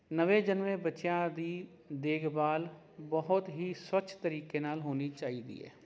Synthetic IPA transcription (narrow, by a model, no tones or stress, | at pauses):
nəʋeːd͡ʒənʋẽbətːt͡ʃjãd̪iː | d̪eːɡbaːl | bəɦʊt̪ɦiswət͡ʃʰt̪əɾiːkenaːlɦoːnit͡ʃaːid̪ḭːɦɛ̰ː